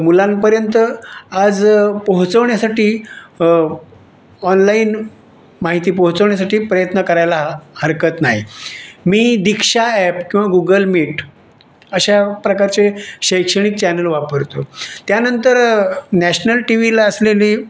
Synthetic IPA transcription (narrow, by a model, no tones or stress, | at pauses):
mulanpəɾjənt̪əad͡zpəɦut͡səʋɳjasaʈiː | ɔnlain | maɦit̪iːpəɦut͡səʋɳjas̬aʈiːpɾəjət̪nəkəɾajlahəɾkət̪naɦimiːd̪ikʂaɛpkĩw̃ʋaɡuɡəlmiʈ | əɕapɾəkaɾt͡seɕəjkʂəɽ̃iːk̚t͡ɕɛnəlʋapəɾt̪ot̪janənt̪əɾnæɕnəlʈiʋilaəsleliː